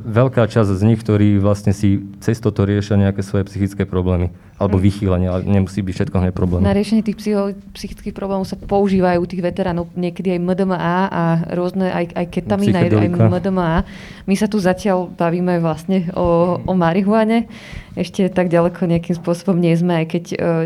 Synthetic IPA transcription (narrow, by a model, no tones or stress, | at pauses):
ʋɛʎkaːt͡ʃazzɲixkt̪ɔɾiːʋlast̪ɲɛsit͡sɛst̪ɔt̪ɔɾɪɛʃɪaɲɛakɛːsʋɔjɛpsixit͡skɛːpɾɔblɛːmi | ʔalɛbɔʋixiːlaɲɪɛlɛ̰ɲɛmusiːbicfʃɛt̪kɔɦɲɛpɾɔblɛːnmnaɾɪɛʃɛɲɪɛt̪iːxpsiɔ | psixi̥t͡skiːxpɾɔblɛːmɔʊsapɔuʒiːʋaːjut̪iːɣʋɛt̪ɛɾaːnɔʊɲɪɛkɛd̪iajməd̪əməʔaːʔaɾʊɔznɛʔa̰jajkɛt̪amminaa̰jməd̪əməaː | misat̪uzacɪalbaʋiːmɛajʋlast̪ɲɛɔɔmaɾiɦʊaɲɛ | ɛʃcɛt̪aɡɟalɛkʰɔɲɛakimspʊɔsɔbɔmɲɪɛzmɛajkɛcː